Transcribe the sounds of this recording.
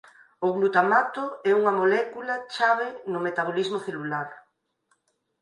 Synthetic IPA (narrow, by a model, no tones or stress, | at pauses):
ʊɣlut̪amat̪ʊɛuŋɐmolɛkulɐt͡ʃaβ̞enʊmet̪aβolizmoθelulaɾ